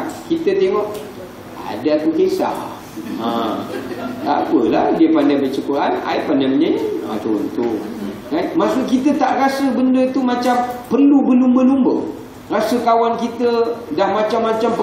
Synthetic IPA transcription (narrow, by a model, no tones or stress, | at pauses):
kit̪ət̪eŋɔʔ | a̰dat̪ukesa̰ | ə | ta̰pəlahdiəpandajbət͡ʃəkuɾana̰jpandajməɲaa̰t͡ʃoɾ̰nt̪ukanmaʔsuʔkit̪ət̪aʔɾasəbəndət̪umat͡ʃampərlubəlumbəlumbə̰ | rasəkawankit̪ədahmat͡ʃamːat͡ʃampə